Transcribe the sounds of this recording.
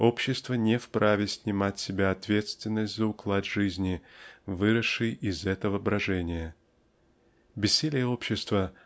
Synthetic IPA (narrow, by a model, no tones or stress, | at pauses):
o̞pɕːɪst̪vənʲɪfpɾavʲɪsʲnʲɪmatʲsʲɪbʲaɐt̪vʲe̞t̪st̪vʲɪnːəsʲtʲzəʊklˠad̪ʲʐɨzʲnʲɪvɨɾəʂɨjɪzɛt̪əvəbɾɐʐɛnʲɪjə | bʲɪsʲːelʲɪjəo̞pɕːɪst̪və